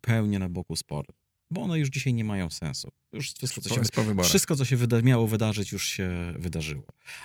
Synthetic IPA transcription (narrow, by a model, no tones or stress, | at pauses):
pʰɛwɲɛnabɔkuspɔ̰ɾɨ | bɔɔnɛjuʐd͡ʑiɕajɲɛmajɔ̃w̃sɛ̰̃ñsṵ | juʂfʂɨst̪̚kɔsɔɛsɔvbɔfɾʂɘst̪kɔt̪ɔɕ̬ɛvɘd̪amʲjawɔvɘd̪aʐɘt͡ɕjuʂɕɛvɘd̪aʐɘwɔ̰